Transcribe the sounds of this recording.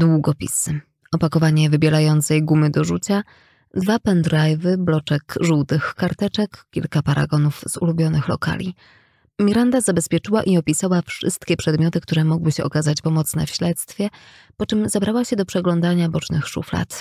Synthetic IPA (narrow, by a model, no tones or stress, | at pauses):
d̪wuɡɔpʲḭsɘ | ɔpakɔvaɲɛvɘbʲjɛɾajɔnt̪sɛjɡumɘd̪ɔʐut͡ɕa | d̪vapɛnd̪ɾajvɘblɔt͡ʂɛkʐuwt̪ɘxkaɾt̪ɛt͡ʂɛkkʲḭlkapaɾʔa̰ɡɔnufz̥ulubʲjɔnɘxlɔ̰ka̰lʲi | mʲiɾand̪azabɛspʲjɛt͡ʂɘwaʔiɔpʲisawafʂɘ̰st̪kʲɛpʂɛd̪mʲjɔt̪ɘk̚t̪uɾɛmɔɡwɘɕɛɔkazat͡ɕpɔmɔt̪sn̪ɛ̰fɕlɛt̪st̪fʲjɛ | pɔt͡ʂɘmzabɾawaɕɛd̪ɔpʂɛɡlɔnd̪aɲabɔt͡ʂnɘxʂṵfla̰t̪